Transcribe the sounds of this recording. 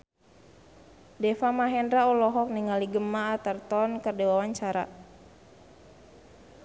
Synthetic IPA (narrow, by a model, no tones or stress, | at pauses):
dɛfamaɦɛndɾaɔlɔɦɔk̚niŋaliɡəmaːt̪ərt̪ɔnkərdɛwawaɲt͡ʃaɾa̰